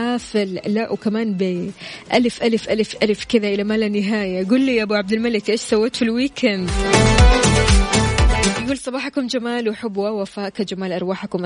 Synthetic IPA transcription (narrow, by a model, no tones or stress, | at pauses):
aːfɪllaʔwkamaːnbeːʔalɪfʔalɪfʔalɪfʔalfkɪðaʔɪlamaːlanːɪɦaːjaɡuːlːiːʔabuːʕab̚d̪ɪlmalɪkʔeːʃsawːeːt̪filwiːkand̪ | ɡuːlsˤɑbɑːħakʊmd͡ʒamaːlwɪħʊbːwawafaːʔkad͡ʒamaːlʔɑɾˤwaːħakʊmʔ